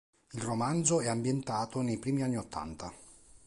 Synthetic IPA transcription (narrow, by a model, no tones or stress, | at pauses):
ilromand̪zoɛambjent̪aːt̪onejpɾiːmianːiot̪ːa̰nt̪a